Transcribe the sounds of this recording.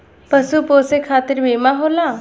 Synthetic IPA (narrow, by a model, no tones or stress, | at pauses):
pəsupoːsekʰaːt̪ɪɾbeːmaɦoːlaː